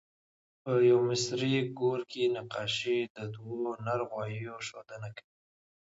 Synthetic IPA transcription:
pəjawmɪsɾiɡoɾkenaqɑʃid̪əd̪wonaɾɣwɑjjoʃod̪ənakawi

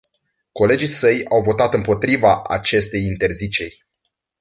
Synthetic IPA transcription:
ko̞le̞d͡ʒisəjawvo̞t̪at̪ɨmpo̞t̪ɾivaa̰t͡ʃe̞st̪e̞jint̪e̞rzit͡ʃe̞rʲ

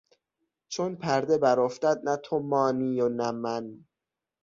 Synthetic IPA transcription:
t͡ʃʰonpʰæɾd̪e̞bæɾoft̪æd̪̚næt̪ʰomɒːniːjonæmæn

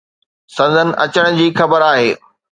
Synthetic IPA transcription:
sɐ̃nzənɪ̆ʔɐt͡ɕəɽ̃d͡ʑiːxɐbəɾaːɦeː

